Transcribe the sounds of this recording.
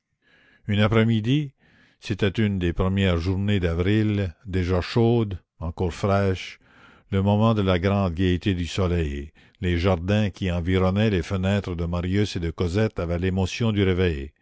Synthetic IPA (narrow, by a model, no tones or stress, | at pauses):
ynapɾɛmid̪i | set̪ɛt̪ynd̪epɾəmjɛːʁʒuʁned̪avʁild̪eʒaʃoːd̪ | ɑ̃kɔːʁfɾɛːʃ | ləmɔmɑ̃d̪əlaɡʁɑ̃ːd̪ɡʲet̪ed̪ysɔlɛj | leʒaʁd̪ɛ̃kʲiɑ̃viʁɔnɛlefənɛːt̪ɾəd̪əmaʁjysed̪əkɔzɛt̪avɛlemɔsjɔ̃d̪yɾevɛj